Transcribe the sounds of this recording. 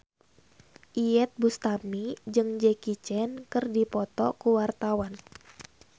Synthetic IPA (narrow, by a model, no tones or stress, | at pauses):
ʔiɛt̪̚bust̪amid͡ʒɨŋd͡ʒɛkit͡ʃɛnkɨrdipɔt̪ɔkuwart̪awan